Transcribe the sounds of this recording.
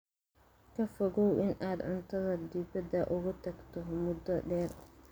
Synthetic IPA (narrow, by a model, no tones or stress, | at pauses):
kʰɐfɔɣɔwɪnʔaːd̪ʕʊnt̪ʰɐðɐd̪ɪbɐd̪ɐʔʊɣʊt̪ʰɐɡt̪ʰɔmʊd̪ɐɖɛːr